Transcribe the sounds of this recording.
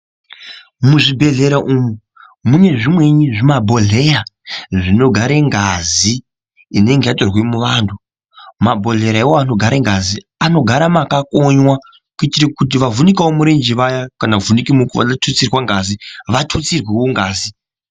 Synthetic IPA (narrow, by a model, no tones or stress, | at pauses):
muʐibʱe̞ɮe̞ɾaʔumu | mune̞ʐimwe̞ɲiʐimabʱo̞ɮe̞raʐino̞ɡʱaɾeŋɡaziː | ne̞ŋɡe̞jatorwemuʋaːndu | mabʱo̞ɮe̞ɾaewoano̞ɡʱaɾeŋɡazi | ano̞ɡʱaɾamakakoɲwa | kuitirekut̬iʋavunikawomuɾend͡ʒiʋajakanavunikimukuʋa̰atʰut͡sirwaŋɡaziʋatʰut͡sirwewoŋɡaːzi